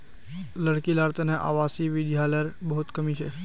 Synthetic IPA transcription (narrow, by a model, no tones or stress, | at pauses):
ləɽkilaːɾt̪ənẽʔa̰ːʋaːsiʋɪd̪ʱjaːləəɾbɐɦʊt̪kɐmit͡ʃʰe